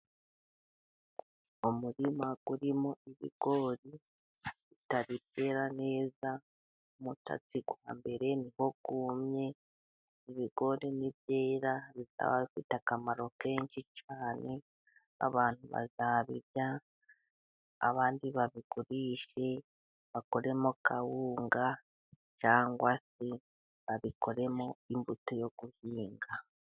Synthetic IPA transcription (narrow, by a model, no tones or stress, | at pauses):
omuɾimaɡ̥uɾimo̞iβḭɡ̥o̞ɾi | βitaɾipe̞ːɾane̞ːza | umuta̰t͡siɡwaːmbe̞ɾe̞niho̞kuːmɲe̞ | iβiɡo̞ɾeniβjeːɾaβiza̰βa̰βifitakamaɾo̞ke̞ːnʃit͡ʃaːne̞ | a̰βaːn̥huβa̰zaβiɾja | a̰βaːndiβaβiɡ̥uɾiːʃe̞ | βako̞ɾe̞mokʰawuːŋɡa | t͡ʃaːŋɡwasi | βaβiko̞ɾe̞mo̞imbutojo̞ɡ̥uhiːŋɡa